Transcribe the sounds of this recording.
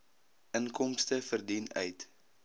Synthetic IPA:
ʔənkɔmstəfərdinœ̰ɥt

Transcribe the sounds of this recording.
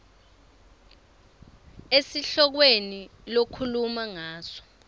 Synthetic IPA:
esiɬɔk̬wenilokʰulumaŋaːsɔ̥

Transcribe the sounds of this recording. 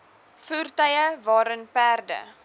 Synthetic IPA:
fuːrtəjəvɑːɾənpærdə̰

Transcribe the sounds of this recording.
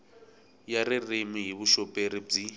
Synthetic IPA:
jaririmiɦiβuʃɔpʼeɾib͡ʐi

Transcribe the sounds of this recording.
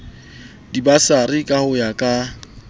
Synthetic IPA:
dibasarikʼahʊjakʼa

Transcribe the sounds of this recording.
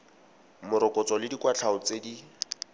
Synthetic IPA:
mʊɾɔkʼɔt͡sɔlɪdikwat͡ɬʰaʊt͡sedi

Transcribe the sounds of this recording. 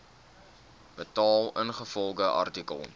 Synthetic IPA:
b̥ətɑːlˠənχəfɔlˠɡəʔɐ̰rtikə̰lˠ

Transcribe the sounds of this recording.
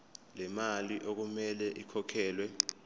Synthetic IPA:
lɛmaliʔok̬umɛlɛʔikʰɔkʰɛːlwɛ

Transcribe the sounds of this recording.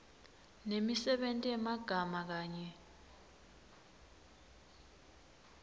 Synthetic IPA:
nemisɛɓentʼiɛmaɡ̥ʱamak̬aːɲɛ

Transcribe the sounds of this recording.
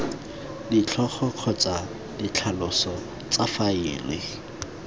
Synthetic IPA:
dit͡ɬʰɔχɔq͡χʰɔt͡sa | dɪt͡ɬʰalʊsɔ | t͡sʼafaɪ̰ːlɪ

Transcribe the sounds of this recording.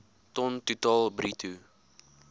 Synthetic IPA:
tɔntutɑːlˠbɾitʰu

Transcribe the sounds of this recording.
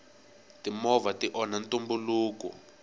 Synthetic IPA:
timɔvatiʔɔnantumbuluːkɔ̰

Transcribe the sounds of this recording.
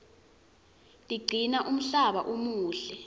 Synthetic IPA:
liɡ͡ǀʱinaʔum̩ɬaɓaʔumuːɬɛ

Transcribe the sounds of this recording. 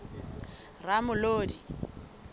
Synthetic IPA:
ramʊloːdi

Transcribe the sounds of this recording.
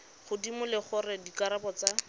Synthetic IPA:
χʊdimʊlɪχʊrɪdikaɾapɔt͡sa

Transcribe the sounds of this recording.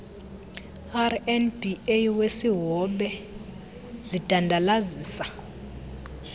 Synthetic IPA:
arɛnbiejwesiɦɔɓɛ | z̥id̥ʱandʱalaziːsḁ

